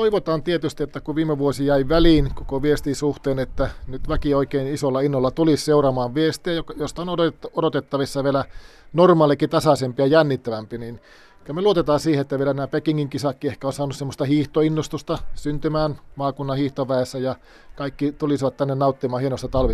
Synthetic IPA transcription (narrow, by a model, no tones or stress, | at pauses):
t̪oiʋot̪ɑːnt̪iet̪yst̪iet̪ːækuʋiːmːeʋuosijæiʋæliːnko̥koʋiest̪isuht̪eːnet̪ːænyt̪ʋækioikeinisolːɑinːolːɑt̪ulisseurɑmɑːʋʋiest̪iæjokjost̪ɑonoodot̪et̪ːɑʋisːɑʋielæ | normɑːlikit̪ɑsɑsempiɑjænːit̪ːæʋæmpinin | kymeluot̪et̪ɑːnsiːheet̪ːæʋielænæːpekiŋːiŋkisɑkːiehkæonsɑːnussemːost̪ɑhiːht̪oinːost̪ust̪ɑsynt̪ymæːnmɑːkunːɑhiːht̪oʋʋæesːæjɑ | kɑikːit̪ulisiʋɑt̪t̪ænːennɑut̪ːimɑːhienost̪ɑt̪ɑlʋi